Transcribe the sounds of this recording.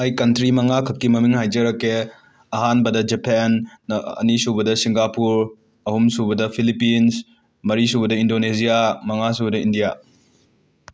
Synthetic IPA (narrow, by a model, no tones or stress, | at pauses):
hajkɐntɾimɐŋakʰɐk̚kːimɐmiŋhajd͡ʒɐɾɐkːe | ɐɦanbɐdɐd͡ʒepʰenːɐ̰nisubɐdɐsiŋɡapuɾ | ɐhumsubɐdɐpʰilipins | mɐɾisuβɐdɐindonezijamɐŋas̬ubɐdɐindija